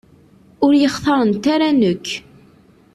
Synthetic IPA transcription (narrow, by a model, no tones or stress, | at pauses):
ʊɾjəχθˤɑɾˤənt̪aɾænəkː